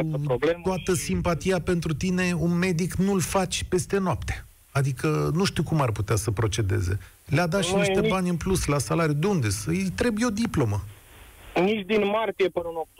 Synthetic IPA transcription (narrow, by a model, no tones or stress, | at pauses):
obleoat̪əsimpat̪ijape̞nt̪ɾut̪ine̞unme̞d̪iknulfat͡ʃʲpe̞st̪e̞noapt̪e̥ | ad̪ikənuʃt̪ikumarput̪easəpɾo̞t͡ʃe̞d̪e̞̰zḛ | lead̪at̪iniʃt̪ebanʲɨnpluslasalaɾijud̪eund̪est̪ɾe̞bujeo̞d̪iplo̞mə | nit͡ʃʲd̪inmart̪ijepɨnəɨnok̪̚